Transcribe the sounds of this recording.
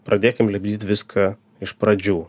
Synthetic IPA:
pɾɐd̪ʲeːkʲɪmlʲɛbʲd̪ʲiːt̪ʲʋʲɪskʰɐ | ɪʃpɾɐd͡ʒʲuː

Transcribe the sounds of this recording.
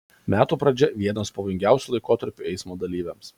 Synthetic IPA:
mʲæːt̪uːpɾɐd͡ʒʲɛʋʲiɛnoːspɐʋoːjɪŋʲɡʲæˑʊsʲuːlˠɐɪkoːt̪ɐɾʲpʲʊɛɪsmoːd̪ɐlʲiːʋʲɛms

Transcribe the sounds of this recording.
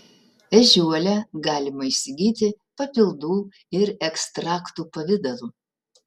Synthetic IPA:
ʋʲɛʒʲuɔlʲɛɡɑːlʲɪmɐiʃʲsʲɪɡʲiːt̪ʲɪ | pɐpʲɪlˠd̪uː | ɪɾɛkst̪ɾɑːkt̪uːpɐʋʲɪd̪ɐlˠuː

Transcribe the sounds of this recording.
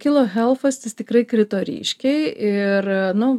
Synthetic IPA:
kʲɪlˠoːxʲɛlˠfɐsʲt̪ʲɪst̪ʲɪkɾɐɪkɾʲɪt̪oːɾʲḭːʃʲkʲɛɪɪrnʊ

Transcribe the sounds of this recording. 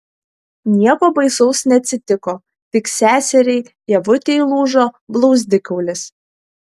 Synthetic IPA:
nʲiɛkoːbɐɪsɔʊsnʲɛɐt̪ʲsʲɪt̪ʲɪkoː | t̪ʲɪksʲæːsʲɛɾʲɛɪ | jɛʋʊt̪ʲɛɪlˠuːʒoːblˠɔʊzʲd̪ʲɪkɐʊlʲɪs

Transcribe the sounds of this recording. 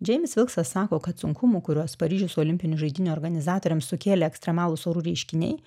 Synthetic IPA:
d͡ʒʲɛɪmʲɪsʋʲɪlˠksʋɐsːɑːkoːkɐt̪sʊŋkʰʊmukʊɾʲuɔspɐɾʲiːʒʲʊsʊoːlʲɪmʲpʲɪnʲʊʒɐɪd̪ʲɪnʲuɔːɾɡɐnʲɪzɑːt̪oːɾʲɛmsʊkʲeːlʲeɛksʲt̪ɾʲɛmɑːlˠʊsoːɾuːɾʲɛɪʃʲkʲɪnʲɛ̰ɪ

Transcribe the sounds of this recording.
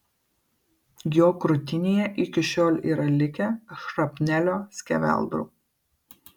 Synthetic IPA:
ɡʲɪoːkɾʊt̪ʲɪnʲeːjɛʔɪkʲɪʃʲoːlʲḭːɾɐlʲɪkʲɛʃɾɐpʲnʲælʲoːsʲkʲɛʋʲɛ̰lˠd̪ɾṵː

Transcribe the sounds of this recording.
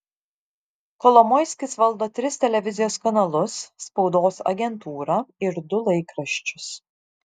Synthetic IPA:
kɔlˠɔmɔɪsʲkʲɪsʋɐlˠd̪oːt̪ʲɾʲɪsʲt̪ʲɛlʲɛʋʲɪzʲɪjoːskɐnɐlˠʊsːpɒʊd̪oːsɐ̰ɡʲɛnt̪uːɾɐɪɾd̪ʊlˠɐɪkɾɐʃʲt͡ʃʲʊs

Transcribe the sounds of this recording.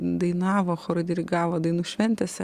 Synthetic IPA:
d̪ɐɪnɑːʋoːxoːɾɐd̪ʲɪɾʲɪɡɑːʋod̪ɐɪnuːʃʲʋʲɛnʲt̪ʲɛsʲ

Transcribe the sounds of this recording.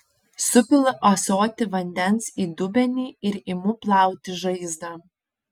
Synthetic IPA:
sʊpʲɪlˠɐʔoːsoːt̪ʲɪʋɐnʲd̪ʲɛnsiːd̪ʊbʲɛnʲiːɪɾɪmuːplˠɑˑʊt̪ʲɪʒɐɪzd̪ɑ

